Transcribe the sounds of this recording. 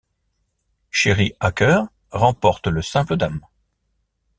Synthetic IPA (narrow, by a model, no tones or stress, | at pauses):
ʃeʁiakʲœʁ | ʁɑ̃pɔʁt̪ləsɛ̃pləd̪am